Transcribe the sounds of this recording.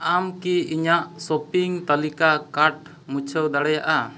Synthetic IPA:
amkiiɲaʔsɔpiŋt̪alikakaɾʈ | mut͡ʃʰəwd̪aɽɛjaʔa

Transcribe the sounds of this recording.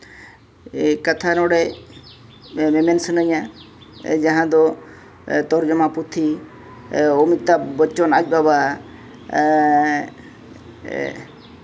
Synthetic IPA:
kat̪ʰanɔɽɛ | mɛmɛnsənəɲa | d͡ʒaɦãd̪ɔ | t̪ɔɾd͡ʒɔmaput̪ʰi | omit̪ːabət͡ʃɔnad͡ʒ̚baba

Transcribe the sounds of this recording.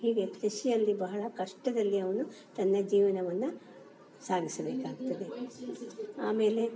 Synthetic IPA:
hiːɡe̞k̪ɾɐʃijɐlːibɐɦɐɭɐkɐʂʈɐd̪ɐlːiɐʋɐnu | t̪ɐnːɐd͡ʒiːʋɐnɐʋɐnːɐ | saːɡisɐbeːkaːɡt̪ɐd̪e̞ | aːme̞ːle̞

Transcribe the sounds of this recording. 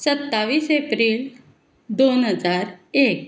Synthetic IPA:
sət̪ːaʋiːsepɾiːl | d̪onɦəd͡zaɾek̚

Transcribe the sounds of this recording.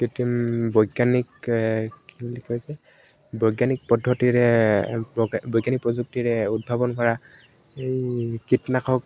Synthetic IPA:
kitimbɔjɡanik | kibulikʰɔjsɛ | bɔjɡanik̚pɔdʱːɔtiɹɛ | bɔjɡanik̚pɹɔzuk̚tiɹɛud̚bʱabɔnkɔɹa | ejkitnakʰɔk̚

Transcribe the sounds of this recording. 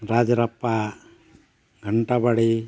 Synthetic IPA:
ɾad͡ʒaɾapːa | ɡʱəɳʈabaɽi

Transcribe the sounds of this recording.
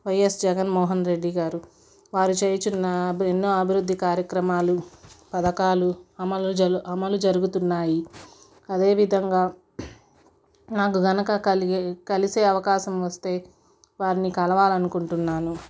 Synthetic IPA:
ʋɐjesd͡ʒɛɡɐnmɔːɦɐnɾe̞ɖːiɡaːɾu | ʋaːɾut͡ʃeːjɐt͡ʃunːɐenːo̞ːɐbʱiɾud̪ːikaːɾjɐkɾɐmaːlupɐd̪ɐkaːluɐmɐlɐmɐlud͡ʒɐɾuɡut̪unːaːji | ɐd̪e̞ːʋid̪ʱɐŋɡaː | naːk̬uɡɐnɐkɐkɐlise̞ːɐʋɐkaːʃɐmʋɐst̪e̞ː | ʋaːɾinikɐlɐʋaːlɐnukuɳʈunːaːnu

